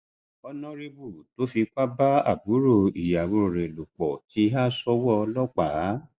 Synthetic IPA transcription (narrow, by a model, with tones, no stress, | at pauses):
ɔ˧nɔ̃˧ɾe˧bu˦˨to˨˦fi˧k͡pa˦ba˦a̰˦˨bu˨˦ɾo˦˨i˨ja˨wo˧ɾo˨ɾe˨lo˨k͡pɔ˨ti˨˧˦a˦sɔ˧˦wɔ˦˧lɔ˦k͡pa˨˦